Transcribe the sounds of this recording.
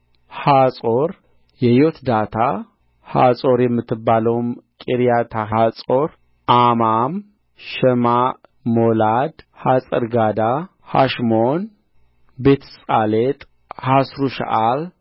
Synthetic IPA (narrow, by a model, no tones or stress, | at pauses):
hasʼoɾ | jɛjot̪d̪at̪ʰa | ha̰sʼoɾjɛmːɨt̪ʰːɨbːaləwmkʼiɾijat̪ʰaat͡sʼo̞ɾ | ʔamam | ʃɛma | molad̪hasʼəɾɡad̪a | ha̰ʃmon | bet̪ʰsʼalet̪ʼ | hasɾuʃa̰ʔal